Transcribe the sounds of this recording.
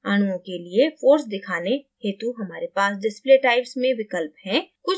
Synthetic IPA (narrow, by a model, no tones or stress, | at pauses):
aːɽ̃uõkeliefoːɾsd̪ɪkʰaːneheːt̪uɦɐmaːɾepaːsɖɪspleʈaːɪpsmẽʋɪkəlpɦɛ̃kʊt͡ʃ